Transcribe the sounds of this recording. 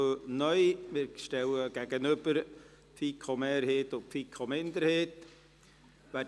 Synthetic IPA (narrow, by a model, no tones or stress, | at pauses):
nœʏmɪɾʃtɛwəɡ̥æɡənʏb̥əɾ | pfikʰomeːɾheːtʊfiːkʰomɪnd̪əɾheːt | væː